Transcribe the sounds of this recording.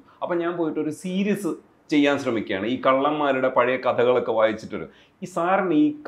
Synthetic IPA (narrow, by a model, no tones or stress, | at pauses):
ɐpːoːɲaːnpo̞ːjiʈːo̞ɾusiːɾijɐsɨ | t͡ɕe̞jːaːnɕrɐmikʲːa̰ːɳɨiːkɐɭːɐmːaːɾuɽe̞pɐɻijɐkɐt̪ʰɐɣɐɭo̞kːe̞ʋaːjit͡ɕːiʈːoɾṵ | isaːrɐniːk